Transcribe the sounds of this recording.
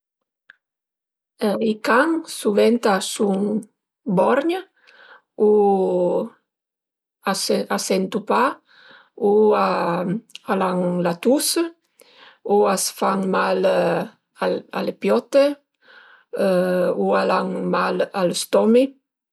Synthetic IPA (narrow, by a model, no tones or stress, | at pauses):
ikaŋsuvɛnt̪asuŋ | bɔɾɲa | u | asasɛnt̪upa | ua | alaŋlat̪us | uasfaŋmal | ala̰lepjɔt̪e | ualaŋmalalst̪ɔmi